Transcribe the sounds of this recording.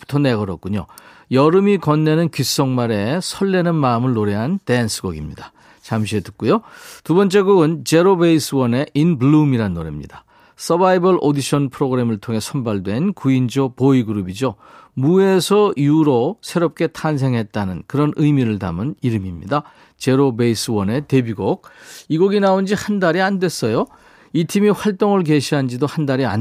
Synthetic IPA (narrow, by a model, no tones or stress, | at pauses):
pu̥tʰʌneɡʌɾʌ̰t̚k͈uɲo̰ | jʌɾɯmikʌnːe̞nɯnkɥis͈ʌŋmaɾe̞sʰʌɭːenɯnmaɯmɯɭːoɾe̞ɦante̞ɦansʰɯɡʌɡimɲida | t͡ɕamɕ̬ʰietɯt̚k͈ujotubʌnt͡ɕ͈e̞ɡuɡɯnt͡ɕe̞ɾobeis͈ʰɯwʌne̞ʔinbɭumiɾanːoɾḛmɲḭda | s͈ʰʌbaibʌɭʔodiɕʰʌnpʰɯɾoɡɯɾe̞mɯɭtʰoŋɦe̞sʰʌnbaɭdwe̞nkuind͡ʑopoiɡɯɾubid͡ʑo | mue̞sʰʌiuɾosʰe̞ɾop̚k͈e̞tʰans̬ʰe̞ŋɦe̞t̚t͈anɯnkɯɾʌnɯjmiɾɯɭta̰mɯniɾɯmimɲḭda | t͡ɕe̞ɾobeis͈ʰɯwʌne̞te̞biɡok̚iɡoɡinaond͡ʑihandaɾiandwe̞s͈ʌjo | itʰimiɸwaɭt͈oŋɯɭk̬e̞ɕʰiɦand͡ʑidohandaɾia̰n